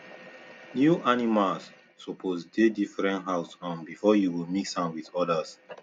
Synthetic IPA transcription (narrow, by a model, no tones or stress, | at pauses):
njuʔanimalsː | ɔpʰosdedifɹɛ̃ntɦaʊsɔ̃nbifɔjuwilmiksãnwiðɔdas